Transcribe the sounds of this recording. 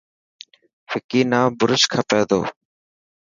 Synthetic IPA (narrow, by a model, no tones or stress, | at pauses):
fɪkiːnaːbʊɾʊʃkʰapɛːd̪o̰ː